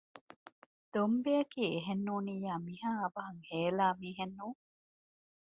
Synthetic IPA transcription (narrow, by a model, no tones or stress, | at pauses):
d̪̥ombejɐkiːeɦenːuːniːjaːmiɦaːɐbɐɦɐŋheːlaːmiːɦenːuː